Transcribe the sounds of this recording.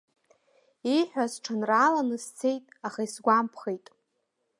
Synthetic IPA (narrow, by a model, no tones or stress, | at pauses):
ijħʷᶣasʈ͡ʂʰanraːlanɨst͡sʰe̞jtʼaχaisɡʷampʰχejtʼ